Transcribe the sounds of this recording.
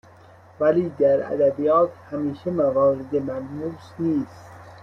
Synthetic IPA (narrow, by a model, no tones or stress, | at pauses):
væliːd̪æɾæ̰d̪æbijɒːt̪ʰhæmiːʃemævɒːɾed̪emælmusniːst̪